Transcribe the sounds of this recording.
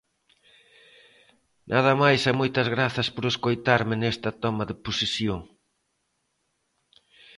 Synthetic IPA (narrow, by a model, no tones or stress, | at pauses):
nʔaðɐmajsɐmojt̪ɐzɣɾaθɐspoɾeskojt̪aɾmɪnɛst̪ɐt̪ɔmɐðɪposisjoŋ